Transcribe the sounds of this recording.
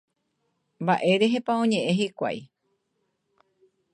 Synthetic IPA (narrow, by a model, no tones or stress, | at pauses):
mbaʔe̞ɾe̞ɦepaõ̞ɲẽ̞ʔẽ̞ɦikʷa̰j